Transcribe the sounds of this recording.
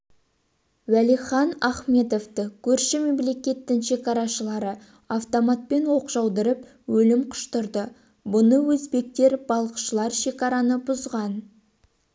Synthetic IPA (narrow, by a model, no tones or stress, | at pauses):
wælijχɑnɑχme̞t̪o̞ft̪əkʲʰɵɾʃɪme̞mle̞kʲe̞t̪ːɪŋʃe̞kɑɾɑʃəlˠɑɾə | aft̪omɑt̪̚pe̞nwo̞qʒɑwd̪əɾəp | wɵlɪmqʰʊ̥ʃt̪ʊɾd̪ə | bʊnəwɵzbe̞k̚t̪e̞ɾbɑlˠəqʃəlˠɑɾʃe̞kɑɾɑnəbʊzʁɑn